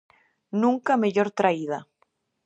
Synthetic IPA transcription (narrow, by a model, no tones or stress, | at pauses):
nũŋkameʎoɾt̪ɾaiða